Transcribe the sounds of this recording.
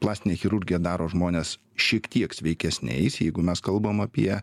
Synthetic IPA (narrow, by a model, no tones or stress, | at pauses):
plˠɑːsʲt̪ʲɪnʲeːxʲɪɾʊɾʲɡʲɪjɛd̪ɑːɾoːʒmoːnʲeːs | ʃʲiɛkt̪ʲiɛksʲʋʲɛɪkʲɛsʲnʲɛ̰ɪsjɛɪɡʊmʲɛskɐlˠbomɐpʲiɛ